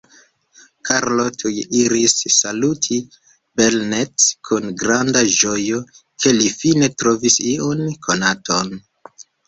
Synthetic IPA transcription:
kʰaɾlo̞tʰujeʔiɾisːalutʰi | be̞lnetkʰunɡɾandaʒo̞jo̞ | kʰe̞lifine̞tɾo̞visiunkʰo̞natʰo̞n

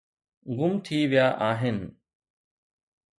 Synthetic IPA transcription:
ɡʊmt̪ʰiːʋɪjaːʔaːɦɪn

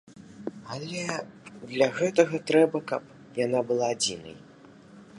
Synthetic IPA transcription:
alʲɛd̪lʲɐɣɛt̪ɐɣɐt̪ɾɛbɐkɐp̚ | jan̪abɨlˠaːd͡zʲinɐ̰j

